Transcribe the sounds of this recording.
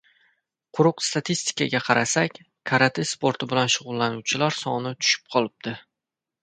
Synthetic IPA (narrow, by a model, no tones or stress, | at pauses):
qʰʊɾʊqst̪at̪ʰist̪ɪ̥kaɡʲaqʰɑɾʔasakʲ | kʰaɾat̪ʰɪspo̞ɾt̪ʰɪbɪlanʃʊʁʊlˠːanʊwt͡ʃʰɪlaɾsɒnɪt̪ʰʊ̥ʃɪ̥p̚qʰɒlˠɪb̚d̪̥ɪ